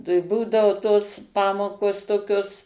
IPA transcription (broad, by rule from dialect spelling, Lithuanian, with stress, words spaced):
tɐɪ ˈbuːdɐʋoː toːs ˈpɑːmoːkoːs toːˈkʲoːs